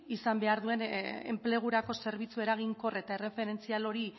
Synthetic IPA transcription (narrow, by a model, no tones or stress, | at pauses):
isambe̞aɾðue̞nḛmple̞ɣ̞uɾako̞se̞ɾβit͡sue̞ɾaɣ̞iŋko̞re̞t̪aere̞fe̞ɾe̞nt͡sialo̞ɾi